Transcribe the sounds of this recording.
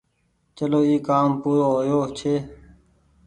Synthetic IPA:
t͡ʃəloːiːkaːmpuːɾoːɦojoːt͡ʃʰeː

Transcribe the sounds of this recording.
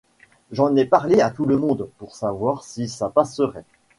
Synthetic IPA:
ʒɑ̃nɛpaʁleat̪uləmɔ̃d̪puʁsavwaʁsisapasəʁɛ

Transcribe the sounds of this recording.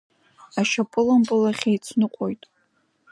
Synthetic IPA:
aʃapʰʼɨlampʼɨlaχʲejt͡sʷʰnɨqʼo̞jtʼ

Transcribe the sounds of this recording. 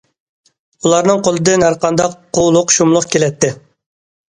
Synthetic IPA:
ulˠɑɾnɨŋqʰolˠɨd̪ɨnæɾqɑnd̪ɑqʰː | olˠʊqʃumlˠʊqkʲelɛt̪ʰːɪ

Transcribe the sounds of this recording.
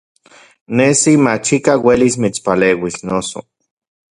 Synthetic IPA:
nesimat͡ʃikawelismit͡spaleːwisnoso̰

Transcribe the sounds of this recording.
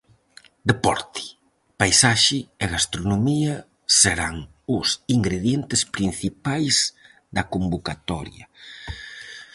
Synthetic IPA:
d̪epɔɾt̪i̥ | pajsaʃɪeɣast̪ɾonomiɐ | seɾaŋ | ʊsiŋɡɾeðjent̪ɪspɾin̟θipajz | d̪ɐkombokat̪ɔ̰ɾjɐ̰

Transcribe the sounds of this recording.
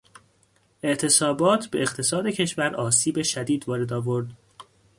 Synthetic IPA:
ʔe̞ʔt̪ʰe̞sɒːbɒːt̪ʰbe̞eqt̪ʰe̞sɒːd̪e̞cʰe̞ʃvæɾʔɒːsiːbe̞ʃæd̪iːd̪vɒːɾe̞d̪ɒːvo̞ɾd̪

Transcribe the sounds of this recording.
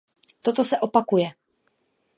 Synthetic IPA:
t̪ot̪osɛʔopakujɛ

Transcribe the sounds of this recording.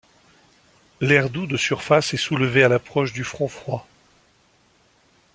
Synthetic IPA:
lɛʁd̪ud̪əsyʁfasɛsuləvealapχɔʃd̪yfχɔ̃fχwa

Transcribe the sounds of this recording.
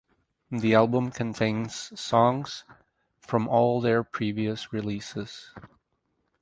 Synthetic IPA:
ðiælˠbə̃mkʰɨ̃ntʰẽɪ̃nz̥sɔ̃ŋz̥ | fɹʌ̃mʔɔlˠðə˞pʰɹ̥iviɨsɹɪlisɪz̥

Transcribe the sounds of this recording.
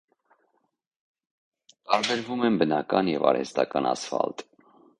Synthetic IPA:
t̪ɑɾbɛɾvumɛnbənɑkɑnjɛvɑɾhɛ̰st̪ɑkɑnɑsfɑlt̪

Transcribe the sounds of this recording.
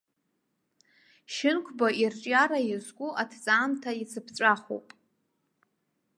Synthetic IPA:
ʃɪnkʷʰbairt͡ʃʼjaɾajɪzɡʷʼuʔatʰt͡sʼaːmtʰait͡sʰɨpʰt͡ʃʷʼaχo̰pʼ

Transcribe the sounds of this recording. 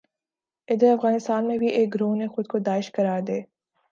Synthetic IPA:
ɪd̪əɾɐfɣaːnɪst̪aːnmẽbʱiʔeːk̚ɡɾõːnexʊd̪̚kod̪aːɪʃkɐɾaːɾd̪eː

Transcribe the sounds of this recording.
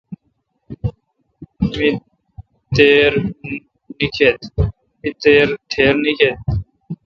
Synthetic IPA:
mi | t̪eːɾ | nikʰeːt̪ | mit̪eːɾt̪ʰeːɾnikʰeːt̪

